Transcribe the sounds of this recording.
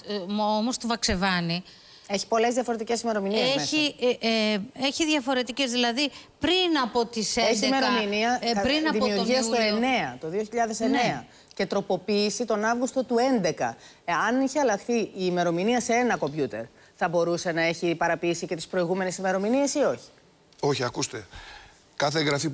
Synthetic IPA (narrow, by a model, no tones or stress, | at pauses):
omost̪uvɐkse̞vɐni | e̞çi̥po̞le̞zðiɐfo̞ɾe̞t̪ice̞sime̞ɾo̞minieemeçi | eçiðʝɐfo̞ɾe̞t̪ice̞zðilɐðipɾinɐpo̞t̪iseeçiimeɾominiɐpɾinɐðiomiuɾʝiɐstt̪oene̞ɐt̪o̞ðio̞çiʎɐðe̞seneɐ | ce̞t̪ɾo̞po̞piisit̪o̞nɐvɣust̪o̞t̪ue̞nd̪e̞kɐ̰ | ɐniçiɐlɐxθiiːme̞ɾo̞miniɐseenɐko̞mbʝut̪e̞̰ɾ | θɐbo̞ɾuse̞nɐe̞çipɐɾɐpiiːsice̞t̪i̥spɾo̞iɣume̞nesime̞ɾo̞minie̞sio̞çi̥ | o̞çiɐkust̪e̞̰ | kɐθeːŋɣɾɐfi